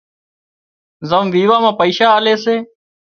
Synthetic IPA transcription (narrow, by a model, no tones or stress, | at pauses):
zəmʋiːʋaːmãːpəiːʃaːleːseː